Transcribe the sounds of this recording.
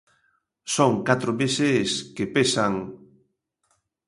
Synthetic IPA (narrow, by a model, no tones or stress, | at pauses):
soŋkat̪ɾomeseskepesaŋ